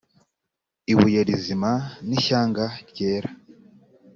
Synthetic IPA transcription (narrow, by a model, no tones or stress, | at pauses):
iβujeɾizimaniçaːŋɡaɾɟe̞ːɾa